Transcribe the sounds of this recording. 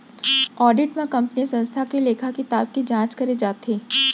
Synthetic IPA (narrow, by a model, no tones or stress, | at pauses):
ɔːɖɪʈmẽkɐ̃mpnisɐ̃nst̪ʰakeleːkʰakit̪aːp̚kid͡ʒãːt͡ʃkɐɾed͡ʒaːt̪eː